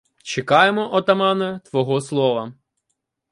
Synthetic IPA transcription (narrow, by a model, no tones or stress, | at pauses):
t͡ʃekɑjemɔʔɔt̪ɐmɑnɐt̪ʋɔɦɔslˠɔʋɐ